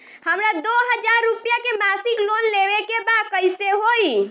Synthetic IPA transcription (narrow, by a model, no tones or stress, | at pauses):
həmɾad̪oɦəd͡ʒaɾːupjakemasiklonleʋekebakəjseɦoi